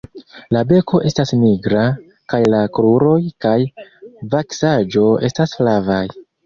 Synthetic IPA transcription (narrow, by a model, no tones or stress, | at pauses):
labe̞kʰo̞ʔe̞stasniɡɾa | kajlakɾuɾo̞jkajvaksad͡ʒo̞e̞staslavaj